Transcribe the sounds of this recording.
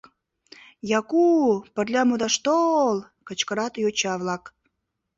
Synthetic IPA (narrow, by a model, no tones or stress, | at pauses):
jɑkupərlʲɑmud̪ɑʃt̪ol | kə̆t͡ɕkəɾɑt̪jot͡ɕɑβlɑk